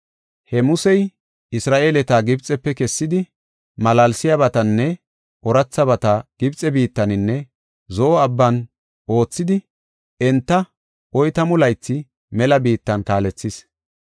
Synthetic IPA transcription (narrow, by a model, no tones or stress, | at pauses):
hɛmʊsɛj | ɪsɾaːʔe̞ːlɛt̪aːɡɪbt͡sʼɛpːɛkɛsːɪd̪ɪ | mɐlɐlsɪjɐβɐt̪ɐnːɛ | ʔɔɾɐt͡sːɐβɐt̪ɐɡ̥ɪbt͡sʼɛbiːt̪ːɐnɪnːɛ | zɔʔɔɐbːɐn | ʔo̞ːt͡sːɪd̪ɪ | ɛnt̪ːɐ | ʔɔjt̪ɐmʊlɐjt͡sːɪ | mɛlɐbiːt̪ːɐnkaːlɛt͡sːɪs